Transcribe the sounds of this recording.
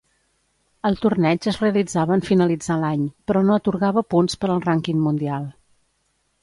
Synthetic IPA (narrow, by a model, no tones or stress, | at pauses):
əlˠt̪urnɛd͡ʒəzreəlid͡zaβəːɱfinəlid͡zalaɲpɾɔnoət̪uɾɣaβəpunspəɾəlˠraŋkiŋmund̪ialˠ